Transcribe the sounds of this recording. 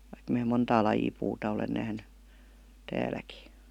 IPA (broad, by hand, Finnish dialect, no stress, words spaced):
ʋɑik mæː montɑː lɑjiː puːtɑ olen næhny tæːlæki